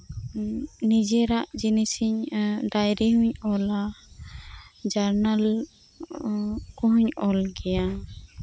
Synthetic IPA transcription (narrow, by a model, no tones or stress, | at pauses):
nid͡ʒɛɾaʔd͡ʒinisiɲɖajɾiɦuɲɔla | d͡ʒaɾnal | kuɦuɲɔlɡɛja